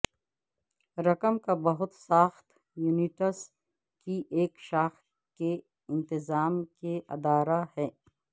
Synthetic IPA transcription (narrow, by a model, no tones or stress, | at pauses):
ɾɐkəmkabɐɦʊt̪saːxt̪ | juːniʈəs | kiʔeːkʃaːx | ke | ɪ̃nt̪ɪzaːmkeɐ̰d̪aːɾahɛː